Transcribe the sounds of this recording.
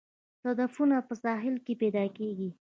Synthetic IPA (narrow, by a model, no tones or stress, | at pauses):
t̪ad̪afunapəsɑɦɪlkepɛd̪ɑkeɡi